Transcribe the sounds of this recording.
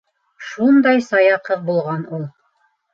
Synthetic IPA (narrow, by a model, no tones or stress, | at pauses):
ʃund̪ɑjsɑjɑqɤðbulˠʁɑnulˠ